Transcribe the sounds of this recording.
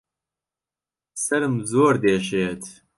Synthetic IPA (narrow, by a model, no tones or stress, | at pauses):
sɐɾɨmzoːɾd̪eːʃeːt̪ʰ